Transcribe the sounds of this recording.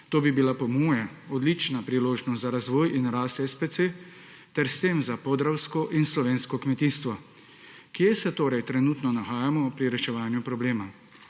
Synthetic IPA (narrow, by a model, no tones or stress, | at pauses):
t̪oːbibilapɔmuːjɛ | ɔd̪lit͡ʃnapɾiloːʒnɔst̪zaɾazʋɔːjʔinɾaːst̪ɛspet̪se | t̪ɛɾst̪eːmzapɔd̪ɾawskɔʔinslɔʋeːnskɔkmɛt̪iːst̪ʋɔ | kijɛsɛt̪oːɾɛjt̪ɾɛnut̪nɔnaxaːjamɔpɾiɾɛʃɛʋaːnjupɾɔbleːma